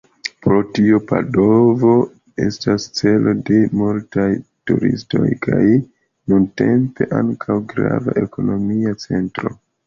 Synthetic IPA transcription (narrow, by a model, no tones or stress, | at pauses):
pɾo̞tiopado̞vo̞ | e̞stast͡se̞lʔo̞de̞multajtuɾḭsto̞̰jkʰaj | nunte̞mpe̞ʔaŋkʰawɡɾavaʔe̞ko̞no̞miat͡se̞ntɾo̞